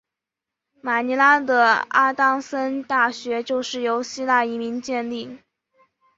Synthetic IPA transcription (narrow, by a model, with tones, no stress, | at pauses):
ma˨˩ni˧˥la˥d̪ə˧˩a˥t̪ɑ˥ŋsə˥nt̪a˥˩ɕɥɛ˧˥t͡ɕjo˥˧ʊʂɻ̩˥˩jo˧˥ʊɕi˥la˥˩i˧˥mi˧˥ŋt͡ɕjɛ˥˧nli˥˩